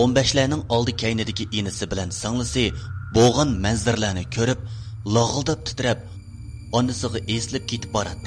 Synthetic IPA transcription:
ombɛʃlænɪŋɑlˠd̪ɨkʲʰɛjnɪd̪ɪkʲiʔenɪsɪbɪlɛnsɑŋlˠɨsɨbolˠʁɑnmɛnzɪɾlæːnɪkʲʰøɾyp̚lˠɑʁəlˠd̪ɑp̚t̪ʰɪ̥t̪ɪɾɛp̚ | ɑnːɨsəʁɑʔesɪlɪp̚kʲʰet̪ʰɪ̥p̚bɑɾɑt̪ːɨ

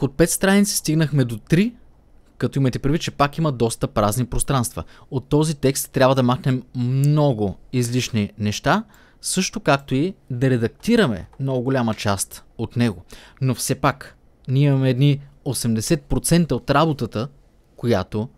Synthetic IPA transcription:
ot̪̚pɛt̪st̪ɾanit̪si̥st̪iɡnəxmɛd̪ot̪ɾi | kɐt̪oimɐjt̪ɛpɾidvit̪̚t͡ʃɛpakiməd̪ɔst̪əpɾaznipɾost̪ɾanst̪və̰ot̪ːɔzit̪ɛkst̪ːɾʲabvəd̪ɐmaxnɛmːnɔɡʊizliʃninɛʃt̪a | sɤʃt̪okak̚t̪oid̪ɐɾɛd̪ɐk̚t̪iɾɐmɛ̰mnɔɡʊɡolʲamət͡ʃast̪ | ot̪nɛɡonofsɛpak | niimɐmɛːd̪niosɛmd̪ɛsɛt̪̚pɾot̪sɛnt̪əot̪ɾabot̪ət̪ə | kojat̪o

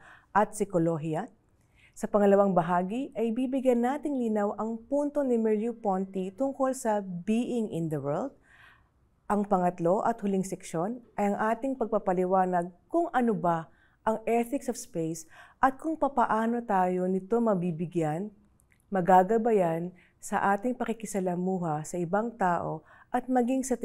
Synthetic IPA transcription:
ʔɐt̪̚sɪkoloɦiɐ | sɐpɐŋɐlɐwaŋbɐɦaːɡiʔɐjbiːbɪɡjɐnːaːt̪ɪŋliːnawʔɐŋpunt̪o̞nɪmɛɹjupont̪it̪ʊŋko̞lsɐbiːʔɪŋʔɪnd̪ɐwɛld̪̚ | ʔɐŋpɐŋɐt̪lo̞ʔɐt̪hʊlɪŋsɛkʃo̞nʔɐjɐŋʔaːt̪ɪŋpɐɡ̚papɐlɪwaːnɐɡ̚kʊŋɐnoba | ʔɐŋʔɛθɪksɔfspejsʔɐt̪̚kʊŋpɐpɐʔaːno̞t̪aːjo̞nɪt̪o̞mɐbibɪɡjan | mɐɡaːɡɐbajan | sɐ̰ʔaːt̪ɪŋpɐkɪkɪsɐlɐmuːɦɐsɐʔɪbaŋt̪aːʔo̞̰ | ʔɐt̪̚mɐɡiŋsɐt̪

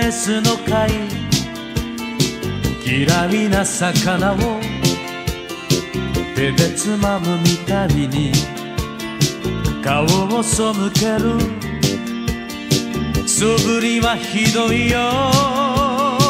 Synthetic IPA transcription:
esɨnokai | kiɾaminasakanao | t̪ed̪e̞t͡sɨmamɯmʲit̪abiɲi | kaβomosomɯke̞ɾɯ | sobɯɾʲiβaçid̪o̞ijo

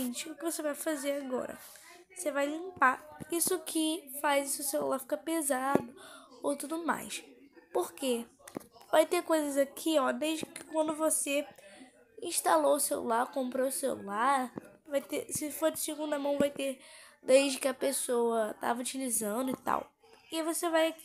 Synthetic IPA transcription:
ĩt͡ʃɪʊkɪvosevajfazeɾaɡɔ̰ɾɐ̰ | vosevajlĩmpaisʊɐkʰɪfajzisʊselṵlaɾfi̥kɐpezad̪ʊowt̪ud̪ʊma̰jspoɾke | vajt̪ekojzɐzakʰiɔd̪ejzd͡ʒɪkɪkwɐ̃nd̪ʊvose | ĩʃt̪aloʊsewlṵlaɾkõmpɾoʊsḛlṵlaɾ | vajt̪esɪfoɾd͡ʒɪsɪɡũd̪ɐmɐ̃w̃vajt̪ed̪ejd͡ʒɪkɪɐpesowɐt̪a̰vɐut͡ʃilizɐ̃nd̪ʊɪt̪a̰w | ivosevajaki

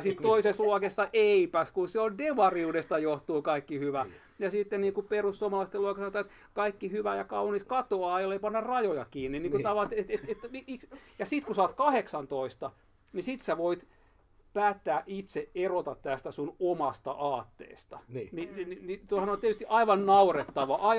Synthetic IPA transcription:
jsit̪t̪oisesluokesːɑʔeipæskunseondeʋɑriuːdest̪ɑjoht̪uːkɑikːihyʋæ | jɑsit̪ːenniːŋkuperussuomɑlɑist̪eluokesɑnot̪ɑet̪ | kɑikːihyʋæjɑkɑuniskɑt̪oɑːjolːeipɑnːɑrrɑjojɑkiːnːinniŋkut̪ɑʋɑt̪et̪et̪et̪ːæmiiksjɑsit̪kusɑːt̪kɑheksɑnt̪oist̪ɑ | nisit̪sæʋoit̪ | pæːt̪ːæːʔit̪seʔerot̪ɑt̪t̪æst̪æsunomɑst̪ɑ̰ʔɑːt̪ːḛːst̪ɑnninininit̪ohɑnont̪iet̪yst̪iʔɑiʋɑnnɑuret̪ːɑʋɑʔɑi

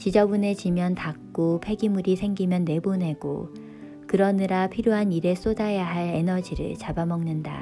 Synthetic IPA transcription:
t͡ɕid͡ʑʌbune̞t͡ɕimjʌntak̚k͈opʰe̞ɡimuɾisʰe̞ŋɡimjʌnːe̞bone̞ɡo̰ | kɯɾʌniɾapʰiɾjoɦaniɾe̞s͈odajaɦaɭe̞nʌd͡ʑiɾɯ̰ɭt͡ɕabamʌŋnɯnda̰

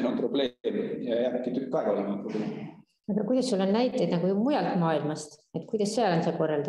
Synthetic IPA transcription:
nomprob̥le̞mjɑjæːbkːit̪ykːɑeɡɑolemɑpɾoblem | ɑɡɑkujd̪ɑsːulːonnæjt̪ːˑejd̪nɑɡ̥umujɑlt̪mɑːilmɑst̪et̪kujd̪ɑsːeɑlonseko̞rːɑld̪ɑ

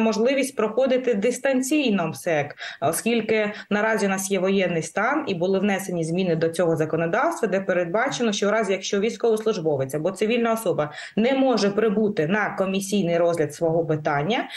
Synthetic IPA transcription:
mɔʒlˠɪʋʲisʲtʲpɾɔxɔd̪ɪt̪ɪd̪ɪst̪ɐnʲt͡sʲijnɔmsɛkɔskʲilʲkɪnɐɾɑzʲiʊnɑsʲjɛʋɔjɛnːɪjst̪ɑnibʊlˠɪʋnɛsenʲizmʲinɪd̪ɔt͡sʲɔɦɔzɐkɔnɔd̪ɑwst̪ʋɐd̪ɛpeɾed̪̚bɑt͡ʃenɔʃt͡ʃɔɾɑzʲjɐkʃt͡ʃɔʋʲijsʲkɔʋɔslˠʊʒbɔʋɪt͡sʲɐbɔt̪sɪʋʲilʲnɐɔsɔbɐ | nɛmɔʒɛpɾɪbut̪ɪnɐkɔmʲisʲijnɪjɾɔzʲlʲɐd̪sʋɔɦɔpɪt̪ɑnʲːɐ

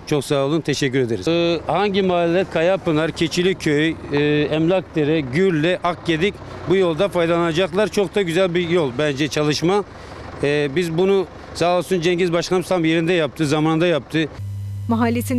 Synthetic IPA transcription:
t͡ʃʰoksaːlˠunt̪ʰɛʃɛcːyɾed̪eɾizhaɲɟimaɦalʲlʲɛɾkʰajapɯnaɾcʰet͡ʃʰilʲicʰøjɛmlʲak̚t̪ʰeɾɛɟyɾlʲɛʔak̚ɟed̪ic | bujo̞lˠd̪afajd̪alˠanad͡ʒaklˠaɾt͡ʃʰo̞k̚d̪aɟyzælʲbijolˠbænd͡ʒɛt͡ʃʰalˠɯʃma | bizbunu | saːlˠsund͡ʒɛɲɟizbaʃlˠanɯst̪ʰamje̞ɾind̪ɛjap̚t̪ʰɯzamaːnnd̪ajap̚t̪ʰɯmaɦalʲːet̪ʰin

